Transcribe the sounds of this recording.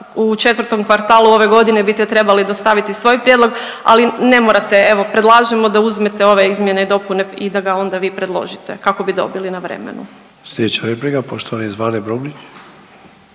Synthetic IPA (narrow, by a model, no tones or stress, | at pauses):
ut͡ʃe̞t̪ʋɾt̪o̞mkʋaɾt̪aːluo̞ʋe̞ɡo̞d̪ine̞bist̪et̪ɾe̞balid̪ost̪aʋit̪isʋo̞jpɾjed̪lo̞ɡ | a̰line̞moɾat̪e̞e̞ʋo̞pɾed̪lˠaːʒemo̞d̪auzmet̪e̞o̞ʋe̞izmjeneid̪o̞puneid̪aɡao̞nd̪aʋiːpɾe̞d̪lˠo̞̰ʒit̪ekako̞bid̪o̞̰bilinaʋɾḛmḛnu | slʲed̪et͡ʃaɾeplikapoʃt̪oʋanizʋaːnebɾumnit͡ʃ